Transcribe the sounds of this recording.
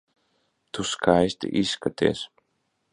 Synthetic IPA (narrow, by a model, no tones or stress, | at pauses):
t̪uskajst̪ʲʔiskat̪ḛːs